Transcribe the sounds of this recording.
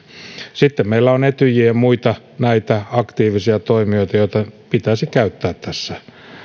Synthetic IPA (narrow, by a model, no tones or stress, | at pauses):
sit̪ːemmeilːæonet̪yjiæmuit̪ɑ | næit̪æɑkt̪iːʋisiɑt̪oimioit̪ɑjoit̪ɑpit̪æsikæyt̪ːæːt̪t̪ːæsːæ